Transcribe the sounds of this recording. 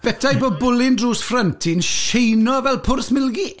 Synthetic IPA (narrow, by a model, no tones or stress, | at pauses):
b̥ɛdʰajbɔbʊlɪndruːsfrəntʰɪnʃejnɔvɛlˠpʰʊrsmɪlˠɡi